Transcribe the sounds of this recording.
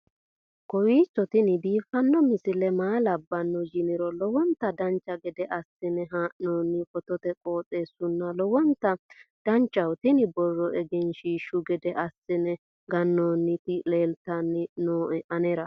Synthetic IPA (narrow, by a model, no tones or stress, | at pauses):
kɔwiːt͡sːɔt̪ɪnɪd̪iːfɐnːɔmɪsɪlɛmaːlɐbːɐnːɔd͡ʒɪnɪɾɔlɔwɔnt̪ɐd̪ɐnt͡ʃːɐɡɛd̪ɛʔɐsːɪnɛɦaːʔnoːnːɪfɔt̪ɔt̪ɛkʼo̞ːt͡sʼe̞ːsʊnːɐlɔwɔnt̪ɐd̪̥ɐnt͡ʃːɐwt̪ɪnɪbɔrːɔʔɛɡɛnʃiʃʊɡɛd̪ɛʔɐsːɪnɛ | ɡɐnːoːnːɪt̪ɪle̞ːlt̪ɐnːɪnoːʔɛʔɐnɛɾɐ